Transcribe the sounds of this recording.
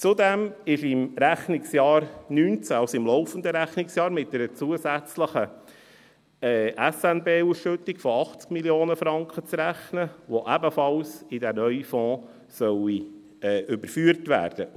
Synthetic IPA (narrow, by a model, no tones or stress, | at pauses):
t͡sud̪ɛmɪʃɪmɾæχnɪksjɑːɾnyːnt͡sæɑlsɪmlɔʊfənd̪əɾæχnɪksjɑːɾmɪt̚dɛɾət͡suəzæt͡sləχə | ɛɛsɛnbeːusʃʏt̪ːɪkfɔɑχt͡skmiljoːnəfɾɑŋkχət͡sɾæχnəʋoʔæbəfɑlsɪd̪ænœʏifɔ̃ː | sœwi | ɛːʔʏbəɾfyːɾtʋæ̰ːɾd̥ə